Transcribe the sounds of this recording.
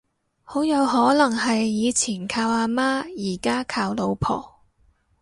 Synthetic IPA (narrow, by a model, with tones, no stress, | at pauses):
ho˨˥wjɐ˨˧wɦɔː˨˥lɐ˨˩ŋɦɐ˨jːiː˨˧t͡sʰiː˨˩nkʰaː˧waː˧maː˥jiː˨˩kaː˥kʰaː˧wlo˨˧wpʰɔ̰ː˨˩